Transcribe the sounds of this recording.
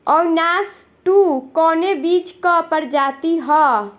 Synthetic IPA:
ɔːɾnasʈukɔnebit͡ʃkəpəɾd͡ʒat̪iɦɔ

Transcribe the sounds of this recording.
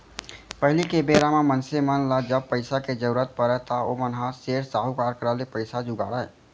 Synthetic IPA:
pəɦɪlikebeːɾamãmənsemənlad͡ʒəb̚pəɪsaked͡ʒəɾɾət̪̚pəɾəɦt̪aomənɦaseːɾsaːɦukaːɾkəɾaːlepəɪsad͡ʒʊɡa̰ːɽaɛ̰

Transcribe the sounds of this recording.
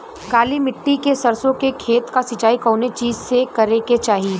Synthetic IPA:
kaːlimɪʈːikesɐɾsõkekʰeːt̪kasɪt͡ʃaːikɔ̃ːnet͡ʃiːzsekɐɾeket͡ʃaːɦiiː

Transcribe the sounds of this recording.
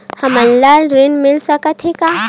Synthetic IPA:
hɐmənlalɾenmɪlsəkət̪ʰɦeka

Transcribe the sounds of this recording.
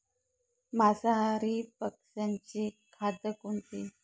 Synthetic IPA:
masaɦaɾipəkʂaɲt͡ɕikʰad̪əkunt̪i

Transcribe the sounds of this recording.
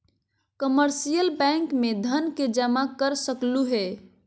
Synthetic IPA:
kəməɾsijəlbɛ̃ŋkmed̪ʱənked͡ʒəmakəɾsəkluɦe

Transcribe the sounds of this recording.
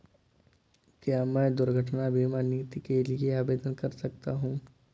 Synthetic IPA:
kjaːmɛ̃ːd̪ʊɾɡʱəʈnabʱimaːnjit̪ikelieaːbeːd̪ənkɐɾsɐk̚t̪aɦũː

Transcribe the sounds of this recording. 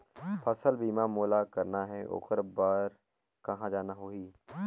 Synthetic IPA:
pʰɐsəlbiːmamoːlakɐɾnaɦɛʔo̰ːkəɾbaːɾ | kɐɦãd͡ʒaːnaɦoːiː

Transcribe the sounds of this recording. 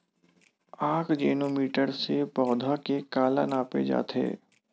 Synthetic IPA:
aːkʰd͡ʒeːnoːmiːʈəɾsepɔːd̪ʱakekaːla̰naːpḛd͡ʒa̰ːt̪ɦḛː

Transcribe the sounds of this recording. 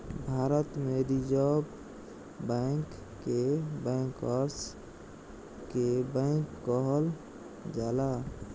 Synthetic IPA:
bʱaːɾət̪meɾid͡ʒɔb | bɛŋkː | ebɛ̃ːŋkəɾs | kebɛ̃ːŋkːəɦəl | d͡ʒaːla

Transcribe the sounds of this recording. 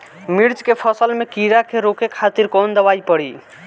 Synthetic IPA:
miɾd͡ʒkepʰəsəlmekiɾakeɾokekʰat̪iɾkond̪əβajpəɽi

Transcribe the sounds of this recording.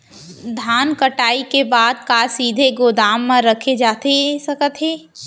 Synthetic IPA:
d̪ʱaːnkəʈaːikebaːd̪̚kaːsiːd̪ʱeɡoːd̪aːmːãɾɐkʰed͡ʒaːt̪esɐkət̪ɦeː

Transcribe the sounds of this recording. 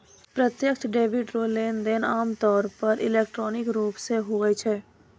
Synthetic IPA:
pɾət̪jəkt͡ʃʰɖeːʋɪɖɾoːleːnd̪eːnaːmt̪ɔːɾpɐɾʔɪ̰leːkʈɾɔːnɪkɾuːpseɦoɡɐit͡ʃʰɛː

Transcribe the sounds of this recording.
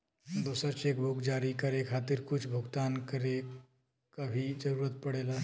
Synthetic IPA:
d̪osəɾt͡ʃekbʱokd͡ʒaɾikəɾekʰat̪iɾkʊt͡ʃʰbʱuɡt̪ankəɾe | kəbʱid͡ʒəɾuːɾət̪̚pəɽela

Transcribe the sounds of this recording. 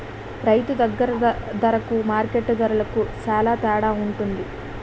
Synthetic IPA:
ɾɐjt̪ud̪ɐɡːɐɾɐd̪ɐɾɐkumaːɾkeʈːd̪ɐɾulɐkusaːlaːt̪ɛːɽaːuɳʈund̪i

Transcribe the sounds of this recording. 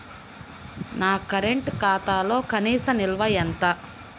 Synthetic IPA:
naːkɐɾeɳʈkaːt̪aːlo̞ːkɐniːsɐmilʋɐjɐnt̪aː

